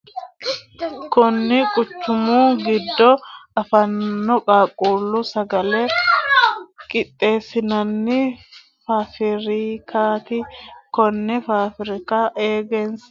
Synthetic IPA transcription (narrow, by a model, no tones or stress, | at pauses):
kʊnːɪkʼʊt͡ʃːʊmuːɡɪd̪ːɔɐfɐnːɔkʼaːkʼːuːlːʊsɐɡɐlɛ | kʼɪt̪ʼːe̞ːsɪnɐnːɪ | faːfɪɾikʰaːt̪ɪkɔnːɛfaːfɪɾɪkaʔeːɡɛns